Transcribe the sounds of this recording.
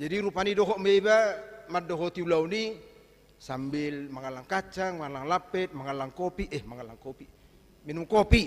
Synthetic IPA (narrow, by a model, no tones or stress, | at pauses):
d͡ʒadiɾupanidɔɦɔʔmɛbamadɔɦɔt̪iulauni | sambilmaŋalaŋkat͡ʃaŋmaalaŋlapɛt̪̚maŋalaŋkɔpiʔɛhmaŋalaŋkɔpi | minumkɔpi